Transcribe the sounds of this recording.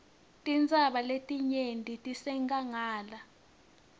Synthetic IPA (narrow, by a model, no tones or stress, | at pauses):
tʼint͡sʼaɓaletʼiɲentʼitʼisɛŋɡʼaŋaːla